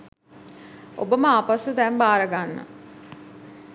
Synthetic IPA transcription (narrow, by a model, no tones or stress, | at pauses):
o̰bəməapasud̪ɛmbaːɾəɡanːə̰